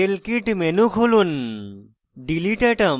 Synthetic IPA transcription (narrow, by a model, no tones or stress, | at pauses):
elkiʈmenukʰulun | ɖiliʈəʈɐ